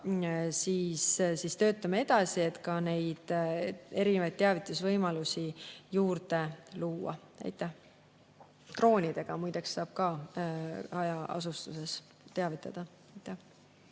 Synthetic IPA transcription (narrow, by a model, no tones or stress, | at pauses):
siːssist̪ø̞ːt̪ˑːɑmee̞d̪̥ɑsie̞t̪kɑne̞jd̪̥e̞ɾinevɑjd̪̚t̪ːeɑvit̪ːˑusvɤjmɑlusijuːrd̪e̞luːɑ̰ | æ̰jt̪ːˑæh | t̪ro̞ːnʲid̪̥e̞ɡ̥ɑmujd̪̥eksːɑːb̥̚kɑ | ɑjɑɑ̰sust̪use̞s | t̪eɑvit̪ːˑɑd̪̥ɑ | ejt̪ːˑæh